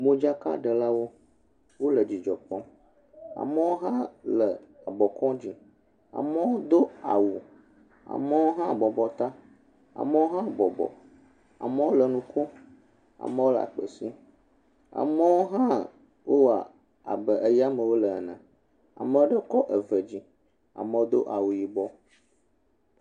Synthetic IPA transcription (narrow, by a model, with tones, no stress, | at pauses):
mõ˦d͡ʒa˦ka̰˦ɖə˨la˦wo˦ | wo˦lə˨d͡ʑi˨d͡ʒɔ˨pɔ̃˦ | a̰˨mə˦wo˦ɦã˦lə˨a˨bɔ˨kɔ̃˦d͡ʑi˨ | a̰˨mə˦wo˦d̪o˦a˨wu˨ | a̰˨mə˦wo˦ɦã˦˨bɔ˨bɔ˨t̪a˦ | a̰˨mə˦wo˦ɦã˦˨bɔ˨bɔ̰˨ | a̰˨mə˦wo˦lə˨nũ˦ko˦ | a̰˨mə˦wo˦la̰˨k͡pə˨si˦ | a̰˨mə˦wo˦ɦã˦ | wʔo˦wa˨ | a̰˨bə˨ʔə˦ja˦mə˨wo˦lə˨nã̰˨ | a̰˨mə˦wo˦ɖə˦kɔ˦ʔə˨və˨d͡ʑi˦ | a̰˨mə̃˨wo˦d̪o̰˦ʔa˨wu˨ji˨bɔ˦